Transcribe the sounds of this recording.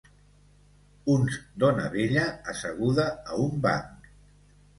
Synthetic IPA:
unzd̪onə̰βeʎəːsəɣuðəːumba̰ŋk

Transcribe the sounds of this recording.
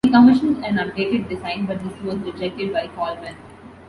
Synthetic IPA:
ikəmɪʃə̃nzɛ̃nʌ̃keːʈɪʈ̚ɖɪzãɪ̃nɖbɐʈ̚d̪ɪsʋɔzɾɪd͡ʒɛk̚ʈɪɖbaɪkɔːlbɛ̃n

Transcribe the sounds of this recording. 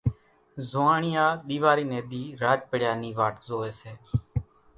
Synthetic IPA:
zoaːɳɪjaːɗ̪iːʋaːɾiːneːɗ̪iːɾaːd͡ʒpəɽjaːniːʋaːʈzoːeːseː

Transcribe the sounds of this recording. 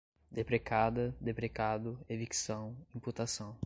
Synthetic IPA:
d̪epɾekad̪ɐd̪epɾekad̪ʊeviksɐ̃w̃ĩput̪asɐ̃w̃

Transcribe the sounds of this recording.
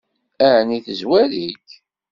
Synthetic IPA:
æʕniθəzwæɾik

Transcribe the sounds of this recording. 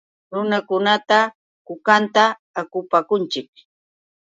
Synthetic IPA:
ɾʊnakʊnat̪a | kʊkant̪aː | kʊpakʊnt͡ʃɪk̚

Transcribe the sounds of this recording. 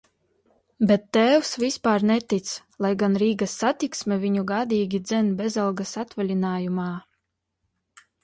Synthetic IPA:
bɛt̪ːɛːwsvispaːɾnɛt̪it̪s | lˠajɡanɾiːɡasːat̪iksmʲɛvʲiɲuɡaːd̪ʲiːɡʲid̪zɛnbʲɛzalˠɡasat̪vɛlʲinaːjumaː

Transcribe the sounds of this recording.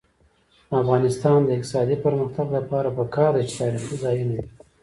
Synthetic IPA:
afɣɑnɪst̪ɑnd̪əɪk̚t̪ɪ̥sɑd̪ipəɾməxt̪aɡlapɑɾapəkɑɾd̪at͡ʃe̥t̪ɑɾixizɑjunawi

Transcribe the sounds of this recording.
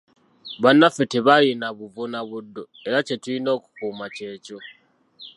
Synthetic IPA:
βanːafeteβajenaβuvonaβudːo̞ | eɾace̞tulino̞ːku̥kuːmace̞ːco̞

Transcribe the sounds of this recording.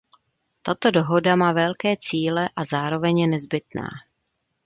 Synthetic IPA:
t̪at̪o̞do̞ɦo̞damaːvɛlkɛːt͡siːlɛʔazaːɾo̞vɛɲjɛnɛzbɪt̪na̰ː

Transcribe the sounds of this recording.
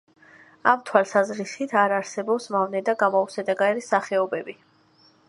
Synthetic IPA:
amt̪ʰwalˠsazɾisit̪ʰaɾaɾsɛbɔpsmavnɛd̪aɡamɔusɛd̪aɡaɛɾisaχɛɔbɛbi

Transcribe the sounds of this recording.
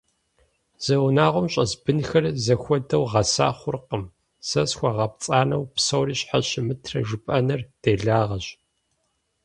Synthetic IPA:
z̥ɐwnaːʁʷʊmɕʼɐzbɨnxɐrzɐxʷɔdɐwʁɐsa̰ːχʷʊrqəm | sɐsxʷɐʁɐp̚t͡sʼaːnɐwpsɐwriːɕħaɕɪmɨtʰrɐ̰ʒʊpʼɐnɨrd̥eːɮaːʁɐɕ

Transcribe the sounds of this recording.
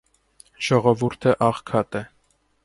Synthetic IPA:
ʒ̥ɔʁɔvuɾt̪ʰəʔɑʁkʰɑt̪ɛ

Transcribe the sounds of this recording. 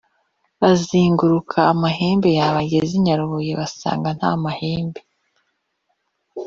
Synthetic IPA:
βaziːŋɡuɾukʰaːmaɦeːmbe̞jaβaɡeziɲaɾuβojeβasa̰ːŋɡan̥ha̰mahe̞ːmbe̞

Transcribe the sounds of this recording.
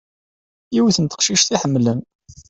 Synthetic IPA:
iwθənt̪ə̥qʃiʃθiħəmːləm

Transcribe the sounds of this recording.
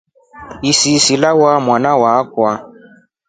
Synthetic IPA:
isisilawamwanawakwa

